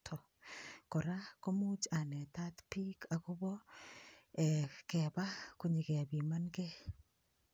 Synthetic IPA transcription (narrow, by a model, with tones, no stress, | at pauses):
tʰɔ˨ | kɔ˨ɾa˦ko˦mu˦t͡ʃa˨nɛ˨t̪a˦t̪pi˦kʰa˨kʊ˦bɔ˦ | ɛ˨kɛ˨ba˦ko˦ɲi˨ke˨a˨bi˨ma˦nɡe˦